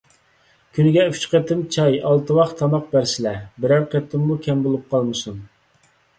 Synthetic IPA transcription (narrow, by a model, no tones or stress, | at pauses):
kʲʰynɪɡʲɛy̥t͡ʃqet̪ʰɪmt͡ʃʰɑjɑlˠt̪ʰɨwɑχt̪ʰɑmɑqbæɾsɪlɛbɪɾæɾqʰet̪ʰːɪmːukʲʰɛmbolˠup̚qʰɑlˠmɨsun